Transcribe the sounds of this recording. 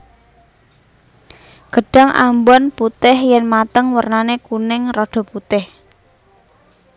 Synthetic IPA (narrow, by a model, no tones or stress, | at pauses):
ɡ̥əɖ̥a̤ŋʔa̰mbɔnput̪ɪhjɛnmat̪əŋwərnanekunɪŋrɔɖ̥ɔ̤put̪ɪh